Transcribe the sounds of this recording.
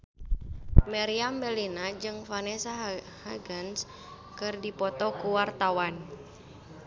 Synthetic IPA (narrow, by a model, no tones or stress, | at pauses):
mɛɾiambɛlinad͡ʒɨŋfanɛsa | haɡans | kɨrdipɔt̪ɔkuwart̪awan